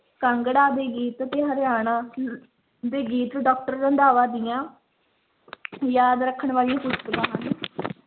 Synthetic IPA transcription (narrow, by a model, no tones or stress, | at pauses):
kəŋɡɽaːd̪eːɡiːt̪ət̪eːɦəɾjaːnãː | d̪eːɡiːt̪ːɖɔːk̚ʈəɾə̃nd̪aːʋaːd̪ɪjãː | jaːd̪ɾəkʰːəɳʋaːlijãːkʊssəlãːɦən